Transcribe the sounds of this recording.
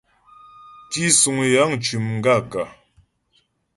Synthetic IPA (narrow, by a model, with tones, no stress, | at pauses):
ti˦su˨ŋ˨ja˨˦ŋt͡ʃu˨mŋ̩˦ɡa˦˨ka˨